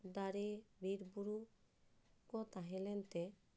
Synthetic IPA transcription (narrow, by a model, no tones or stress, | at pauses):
d̪aɾebiɾbuɾu | kɔt̪aɦelent̪e